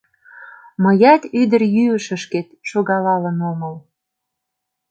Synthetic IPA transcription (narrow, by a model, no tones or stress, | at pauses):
məjɑt̪yd̪ərjyəʃə̆ʃket̪ʃoɣɑlɑlənoməl